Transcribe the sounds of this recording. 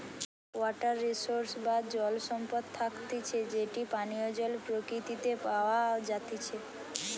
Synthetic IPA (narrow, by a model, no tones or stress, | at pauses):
wɔʈəɾːisoɾsbad̪d͡ʒɔlsɔmpɔd̪̚t̪ʰːakt̪it͡ʃʰed͡ʒeʈipanijod͡ʒɔlpɾokɾit̪it̪epaʋad͡ʒat̪it͡ʃʰe